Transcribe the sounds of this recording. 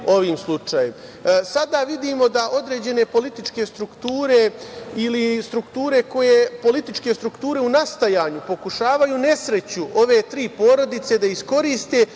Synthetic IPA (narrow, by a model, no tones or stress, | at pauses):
o̞ʋiːmslˠut͡ʃaːjem | sad̪aʋid̪iːmo̞d̪aʔo̞d̪ɾe̞ːd͡ʑe̞ne̞po̞lit̪it͡ʃke̞st̪ɾukt̪uːɾe̞ilist̪ɾukt̪uːɾe̞ko̞jepo̞lit̪it͡ʃke̞st̪ɾukt̪uːɾe̞unast̪ajaːɲupo̞kuʃaːʋajuːne̞sɾe̞t͡ɕuʔo̞ʋe̞t̪ɾiːpo̞ːɾo̞d̪it̪se̞d̪aisko̞ɾiːst̪e̞